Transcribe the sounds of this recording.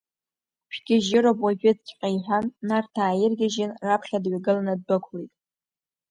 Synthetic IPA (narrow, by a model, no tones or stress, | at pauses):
ʃᶣɡʲɪʒɪɾobwaʒᶣɪd͡zkʲʼqʲʼajħanːartʰaːjɪrɡʲɪʒɪnrapʰχʲadɥaɡɨlanɨd̚bɨkʷʰlejtʼ